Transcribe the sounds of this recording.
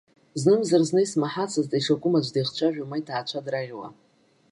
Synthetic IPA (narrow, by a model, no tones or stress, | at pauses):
znɨmzarznɨjsmaħat͡sʰaztʼajʂakʷʼʊmad͡ʒʷdejχt͡ʃʷʰaʒᶣamajtʰaːt͡ʃʷʰadraʁʲwa̰